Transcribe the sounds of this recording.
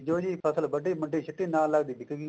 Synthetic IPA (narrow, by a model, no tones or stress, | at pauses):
d͡ʒoːd͡ʒiːpʰəsəlbəɖeːmə̃ɳʈeːʃʰɪt̪ːiːnaːlaːɡd̪iːɖɪkɡi